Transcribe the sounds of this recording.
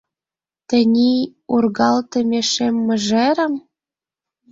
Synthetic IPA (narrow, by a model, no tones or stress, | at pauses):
t̪ə̆nʲiurɣɑlt̪ə̆mʲeʃemːə̆ʒeɾə̆m